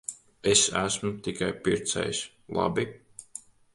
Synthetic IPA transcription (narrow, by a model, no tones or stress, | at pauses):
esæsmut̪ikajpiɾt̪sɛ̰js | lˠa̰bi